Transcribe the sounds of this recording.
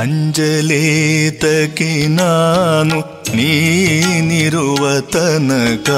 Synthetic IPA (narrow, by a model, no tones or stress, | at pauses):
ɐɲd͡ʒɐlet̪ɐkenaːnu | niːniɾuʋɐt̪ɐnɐkaː